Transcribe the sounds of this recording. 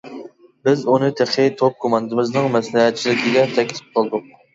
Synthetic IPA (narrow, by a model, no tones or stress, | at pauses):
bɪzunɨt̪ʰeχʰɪt̪ʰop̚kʰomɑnd̪ɨmɪznɨŋmɛslɛɦɛt̪̚t͡ʃʰilɪkʲʰiɡʲɛt̪ʰɛkʲit̪ʰɪ̥p̚qʰɑlˠd̪u